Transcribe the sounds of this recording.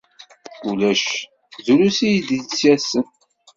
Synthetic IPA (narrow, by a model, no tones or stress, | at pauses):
ulæʃ | zulusijid̪it͡sːæsən